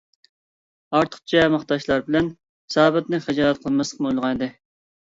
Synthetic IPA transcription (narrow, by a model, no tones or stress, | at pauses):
ɑɾt̪ʰə̥χt͡ʃʰɛmɑχt̪ɑʃlˠɑɾbɪlɛn | sɑːbɨt̪̚nɨχæd͡ʒɑːɾɛt̪̚qʰəlˠmɛsəqmojlˠʁɑnɨd̪ɨ